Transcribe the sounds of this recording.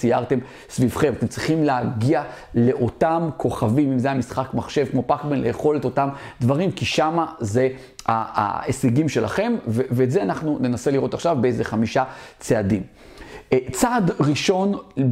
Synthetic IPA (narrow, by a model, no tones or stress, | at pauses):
sijaʁt̪em | svivχe̞mate̞mt͡sʁiχimleaɡiale̞ʔo̞tamkʰo̞χavimimzeamisχakmaχʃe̞vkmo̞pakbenlejeχo̞let̪o̞tamdvaʁimkiʃamaze | aa̰eseɡimʃe̞la̰χe̞mveveːtzeanaχnune̞naseliʁo̞t̪aχʃavbeezeχamiʃat͡seadim | t͡sadʁiʃo̞n